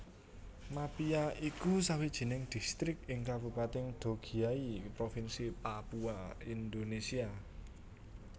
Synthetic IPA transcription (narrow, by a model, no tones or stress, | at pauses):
mapiaikusawid̥ʒ̥i̤nɪŋd̪̥i̤st̪ɾɪk̚ɪŋkab̥ṳpat̪ɪŋd̪̥o̤ɡ̥i̤aipɾofinsipapuaind̪onesia